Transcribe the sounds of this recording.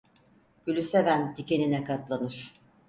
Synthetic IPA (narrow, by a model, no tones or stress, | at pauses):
ɟ̥ylʲysevænt̪ʰice̞ninɛkʰat̪lˠanɯɾ̝̥